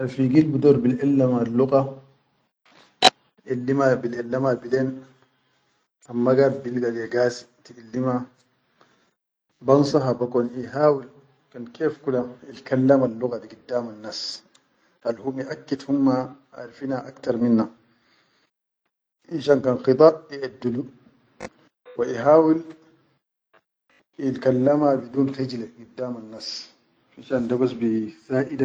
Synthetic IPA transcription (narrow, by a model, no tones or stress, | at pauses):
ʔaɾfiɡilbudɔɾbilɛlːamalːuka | ʔilːimabilɛlːamabilen | amːaɡabilɡalɛɡasi̥ | tiilːima | bansaɦabakɔniɦaːwil | kankʰefkulamilkalːamalːukadiɡidːamanːas | halhumiʔakːid̪humːaʔa̰ɾfinaʔakt̪ɑɾˤminːa | ʔiʃankanqɨt̪ˤɑʔiʔad̪ːulu | waʔiɦaːwil | ilkalːamabid̪uːnxid͡ʒleɡidːaːmanːas | iʃandabasbisaːʔida